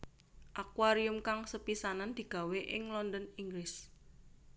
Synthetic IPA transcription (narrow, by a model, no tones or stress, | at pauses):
ʔakwaɾiʊmkaŋsəpisanand̪̥i̤ɡ̥a̤weʔɪŋlɔnd̪ɔniŋɡlɪs